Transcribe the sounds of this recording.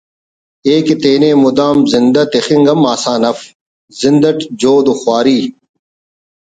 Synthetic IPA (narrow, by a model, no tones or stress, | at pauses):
eːket̪eːneːmud̪aːmzind̪ɐt̪exiŋɡɐmːaːsaːnɐf | zind̪ɐʈd͡ʑoːd̪uxwaːɾiː